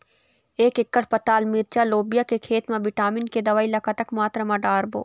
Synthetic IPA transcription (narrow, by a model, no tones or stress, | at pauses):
eːkɪkːəʈ̚pɐt̪aːlmiɾt͡ʃaloːbijakekʰeːt̪mẽʋɪʈaːmɪnked̪ɐʋaːilɐkat̪ɐkmaːt̪ɾəmãɖaːɾbo̰ː